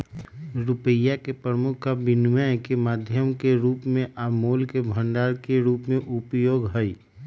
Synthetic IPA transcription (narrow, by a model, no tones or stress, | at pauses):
ɾʊpəjakepɾəmʊkʰːabɪnwɛkemaːd̪ʱjəmkeɾuːpmẽʔaːmoːlkebʱə̃ɳɖaːɾkeɾuːpmẽʔʊpjoːɡɦəi